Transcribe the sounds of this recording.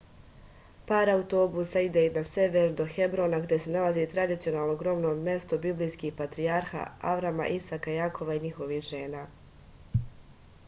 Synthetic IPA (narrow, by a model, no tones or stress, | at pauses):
paːɾaut̪o̞busaid̪einase̞ʋeɾud̪o̞xe̞bɾo̞ːnaɡd̪ʲje̞se̞nalˠazit̪ɾad̪it̪sijo̞naːlˠnoɡɾo̞mnoːmmje̞st̪obiblijskixpat̪ɾiaɾxa̰aʋɾama̰ʔisakajakʰo̞ʋaiɲixo̞ʋihʒe̞ːnaː